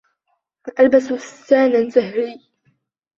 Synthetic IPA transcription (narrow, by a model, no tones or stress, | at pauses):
ʔalbasutaːnazahɾiː